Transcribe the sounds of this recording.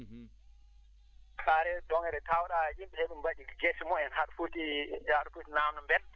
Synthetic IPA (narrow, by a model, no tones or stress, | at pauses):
kaɾɛdɔŋɛɾɛtawɗaʔimɓɛheɗumbad͡ʒiɡesimɔɛnhaɗufutijaɗufutinamnɔmbɛl